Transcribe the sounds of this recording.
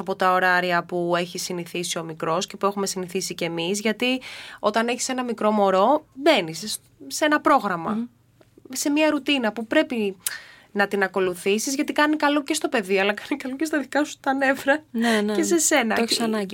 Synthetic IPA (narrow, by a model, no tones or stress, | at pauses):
ɐpo̞t̪ɐo̞ɾɐɾiɐpue̞çisiniθisio̞mikɾo̞sce̞pue̞xume̞siniθisice̞mizʝɐt̪io̞t̪ɐneçi̥se̞nɐmikɾo̞mo̞ɾo̞be̞nisː | e̞nɐpɾo̞ɣɾɐmɐ̰ | se̞miɐɾut̪inɐpupɾe̞pi | nɐt̪inɐko̞luθisizʝɐt̪ikɐnikɐluce̞st̪o̞pe̞ðiɐlɐkɐnikɐlucest̪ɐðikɐsu̥t̪ɐne̞vɾɐnenese̞se̞nɐsɐnɐ